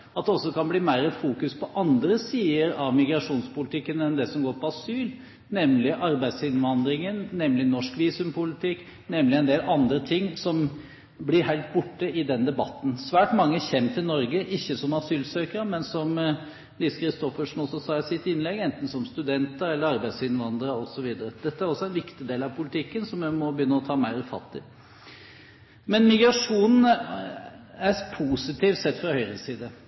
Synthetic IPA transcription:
ɑt̪̚d̪ɛɔsːɔkɑnbliːmæɪɾəfuːkʉspʰɔʔɑnd̪ɾəsiːəɾɑʋmɪɡɾɑʂuːnspʊlɪt̪ʰɪkːənɛnd̪ɛsɔmɡoːɾpʰɔɑsyːl | nɛmːlɪʔɑɾbæɪd̪sɪnʋɑnd̪ɾɪŋənnɛmlɪnɔʂkʋiːsʉmpʊlɪt̪ʰɪkː | nɛmlɪɛɪnd̪eːlɑnd̪ɾət̪ʰɪŋːsɔm | blɪɾhæɪlt̪̚bʊʈːəɪd̪ɛnd̪ɛbɑt̪ːn̩sʋæːʈmɑŋːəçɛnt̪ʰɪlnɔɾɡəʔɪçːəsɔmɑsyːlsøːkəɾəmɛnsɔm | liːsə̥kʰɾɪst̪ɔfəʂn̩ɔsːɔsɑːɪsɪt̪ːɪnlɛɡɛnt̪n̩sɔmst̪ʉd̪ɛnt̪əɾɛlːəɾɑɾbæɪsɪnʋɑnd̪əɾəɔsɔʋiːd̪əɾəd̪ɛt̪ːəæɾɔsːɔɛnʋɪkt̪ɪd̪eːlɑʋpʰʊlɪt̪ʰɪkːənsɔmːɛmɔbəjʏnːəɔt̪ʰɑːmæɪɾʉfɑ̰t̪ːɪ | mɛnmɪɡɾɑʂuːnn̩ | æpʰuːsɪt̪ʰiːʋ̪sɛt̪ːfɾɑhœʏɾəsiːd̪ə

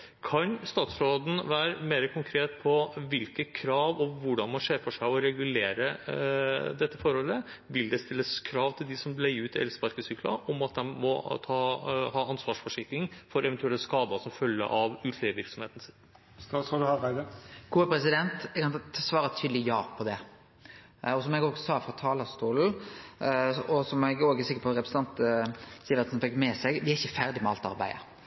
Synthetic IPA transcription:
kʰɑnst̪ɑːt̪sɾoːd̪n̩ʋæːɾəmeːɾəkʰʊŋkʰɾeːt̪pʰɔʋɪlkəkʰɾɑːʋɔʋʊɖɑnmɑnʂeːɾfɔʂæɪɔɾɛɡʉleːɾə | d̪ɛt̪ːəfɔɾhɔlːəʋɪld̪ɛst̪ɪlːəskʰɾɑːʋt̪ʰɪld̪ɪsɔmlæɪʉːt̪ɪɛ̰lspɑɾkəsyːklɑ̰ʔɔmɑt̪̚d̪ɛnmɔ̰t̪ʰɑːhɑːɑnsʋɑːʂfɔʂɪklɪŋfɔɾɛʋɛnt̪ʉɛlːəskɑːd̪əsɔmfœlːə̰ʔɑʋʉːt̪ʰleːʋəʋɪɾksɔmheːt̪n̩sɪn | t̪ʰud̪ʉhɑʁæɪd̪ɑɡ̥uːəpʰɾɛsɪd̪ɛnt̪kʰɑnsʋɑːɾət̪ʰyːd̪lɪjɑːpʰɔd̪ɛ | ɔsɔmɛɡoːɡsɑːfɾʁɑt̪ʰɑːlɑst̪uːl̩ | ɔsɔmɛɡoːɡsɪkəpɔɾɛpɾsn̩t̪ɑnt̪siːʋɛnt̪sɔnfɛkːmɛsɛɡʋɪæɪçəfæʁd̪ɪmɛɑlt̪ɑ̰ʁbæ̰ɪə̰

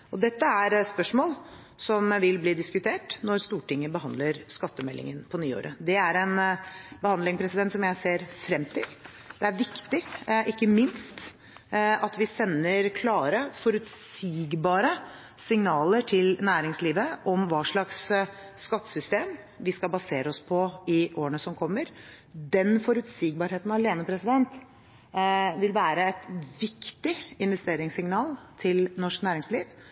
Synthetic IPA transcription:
ɔd̪ɛt̪ːəæɾspœʂmoːl | sɔmʋɪlbliːd̪ɪskʉt̪ʰeːʈnɔɾst̪uːʈɪŋːəbəɦɑnd̪ləɾskɑt̪ːəmɛlːɪ̰ŋənpʰɔnyːo̰ːɾʔəd̪ɛæɾɛnbəhɑnd̪ɪŋpʰɾɛsɪd̪ɛnt̪sɔmjæɪseːɾfɾɛmt̪ʰɪ̰l | d̪̥ɛæɾʋɪkt̪ɪʔɪkːəmɪnst̪ | ɑt̪ʋɪsɛnːəɾkʰlɑːɾəfɔɾʉt̪siːɡbɑːɾə | sɪŋnɑːləʈʰɪlnæːɾɪŋsliːʋəʔɔmʋɑːʂɭɑksː | kɑt̪ːə̥sʏst̪eːm | ʋɪskɑlbɑseːɾəɔspʰɔɪʔoːənəsɔmkʰɔmːəɾ | d̪ɛnfɔɾʉt̪siːɡ̚bɑːɾheːt̪nɑleːnəpʰɾɛsɪd̪ɛnt̪ | ʋɪlʋæːɾəɛt̪ʋɪkt̪ɪɪnʋɛst̪eːɾɪŋsɪŋnɑːlt̪ʰɪlnɔʂknæːɾɪŋsliːʋ

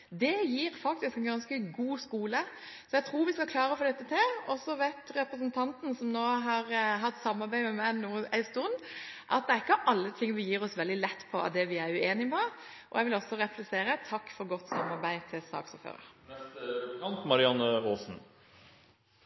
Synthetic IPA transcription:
d̪ɛjiːɾfɑkt̪ɪskɛnɡɑnskəɡuːskuːlə | sɔjɛt̪ʰɾuːɾʋɪskɑkʰlɑːɾəfɔd̪ɛt̪ːət̪ʰɪlɔsːɔʋɛt̪ɾɛpɾəsənt̪ʰɑnt̪n̩sɔmnoːɦɑɾɦɑt̪ːsɑmːɑɾbæɪmɛmænuːəæɪst̪ʊnʔɑ̰t̪̚d̪ɛæɾɪkːəʔɑlːət̪ʰɪŋːʋɪljiːɾɔsʋɛld̪ɪlɛt̪ːpʰɔʔɑ̰d̪ɛʋɪæɾʉeːnɪpɔ | ʔɔ̰jɛʋɪlɔsːɔɾɛplɛseːɾət̪ʰɑkːfɔɾɡɔt̪ːsɑmːɑɾbæɪt̪ʰɪlsɑ̰ːksɔ̰fø̰ːɾə̰ɾnɛskɑnt̪mɑɾɪɑnːəoːsn̩

